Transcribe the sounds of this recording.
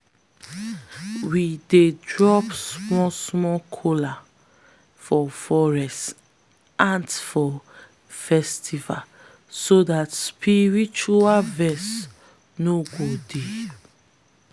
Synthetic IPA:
widedɹɔpsmɔsmɔkʰola | fɔfɔɹɛst | ãndfɔ | fɛstʰiva | sodatspʰiɹit͡ʃualvɛs | noɡode

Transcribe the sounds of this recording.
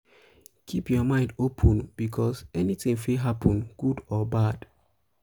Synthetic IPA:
kʰipjɔmãɪ̃ndopʰɔ̃nb̥ikʰɔsɛnitĩŋfiɦapɔ̃nɡ̥udɔbad̥

